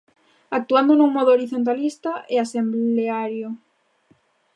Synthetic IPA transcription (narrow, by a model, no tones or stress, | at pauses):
ak̚t̪uand̪onũŋmɔðooɾiθont̪̬alist̪aʔɪasembleaɾjo